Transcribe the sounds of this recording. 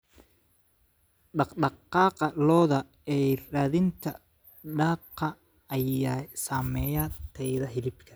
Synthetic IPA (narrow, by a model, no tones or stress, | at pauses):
ɖɑqɖɑqːɑːqɑlɔːðɐ | ɛraːðɪnt̪ʰɐ | ɖɑːqːɐ | ɐjaːsaːmɛːjaːt̪ʰɛjðɐɦɪlɪbkʰɐ